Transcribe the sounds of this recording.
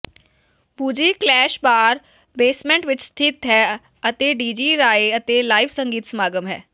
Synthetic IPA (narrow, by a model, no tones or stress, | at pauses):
buːd͡ʒiːklɛːʃbaːɾ | beːsmɛ̃ɳʈʋɪt͡ʃst̪ʰɪt̪ɦɛː | ət̪eːɖiːd͡ʒiːɾaːeət̪eːlaːifsə̃ŋɡiːt̪smaːɡəmɦɛː